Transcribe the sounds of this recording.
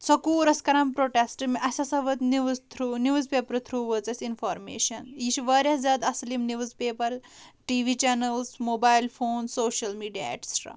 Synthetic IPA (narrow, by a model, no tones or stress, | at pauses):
t͡sɐkuːɾɐskɐɾɐmpɾoːʈesʈɨmiʔɐsʲɐsɐʋɐt̪niʋzt̪ʰɾuniʋzpepɾɨt̪ʰɾuːʋət͡sɐsʲinfɔːɾmḛːʃɐnjiʃʋɐɾʲɐzɐd̪ɐslimniʋuzpeːpɐɾʈiːʋit͡ʃɛnɐlsmoːbaːjlfoːnsoːʃɐlmiːɖija̰ḛʈsʈɾa̰